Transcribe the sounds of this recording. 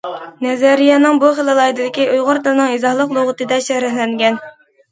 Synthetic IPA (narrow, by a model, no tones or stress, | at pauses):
nɛzɛɾijɑnɨŋbuχelˠɨlˠɑjd̪ɨlɪkʲiʔujʁʊɾd̪ɨlˠɨnɨŋizɑhlˠəqlˠoʁət̪ɨd̪ɛʃɛhɾæhlɛŋɡʲɛn